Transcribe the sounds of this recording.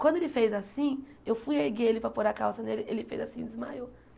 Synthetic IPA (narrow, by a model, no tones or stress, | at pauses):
kwɐ̃nd̪ʊelɪfejzasĩewfujeɾɡeelɪpɾɐpoɾakawzɐd̪elɪʔelɪfḛjzasĩd̪ɪzma̰jo